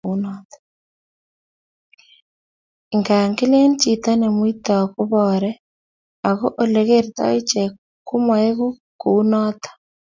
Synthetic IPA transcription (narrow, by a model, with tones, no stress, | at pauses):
nɔtḁ | eŋɡa˨ŋɡi˦le˦nt͡ʃita˦ne˨mwi˦ta˨a˨ku˦βɔɾɛ | a˨ɣo˦ʔo˦leɣeɾeta̰˦i˦t͡ʃe | ku˦mwa˨e˦ɣu˦ | kuu˦nɔːtḁ